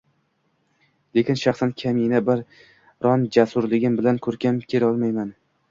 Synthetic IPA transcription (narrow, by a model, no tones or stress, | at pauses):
le̞kʲɪnʃɑχsankʲʰaminabɪɾ | ɾɒnd͡ʒasʊɾlɪɡʲɪmbɪlankʰɵɾkʲʰamkʲʰe̞lɒlˠmajman